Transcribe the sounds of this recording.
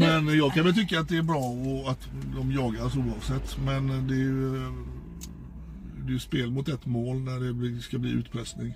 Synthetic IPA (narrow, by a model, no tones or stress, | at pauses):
mɛnjɑːɡ̚kʰanʋɛlt̪ʰʏkːaat̪̚d̪ɛæɾbɾɑːɔat̪d̪ɔmjɑːɡasuːlɑːɡsɛt̪ʰːmɛnd̪ɛjɵ | d̪ɛjɵspeːlmʊt̪ɛt̪ːmoːlnæɖɛbliskablḭːʔʉ̟ːt̪pʰɾɛsnɪŋ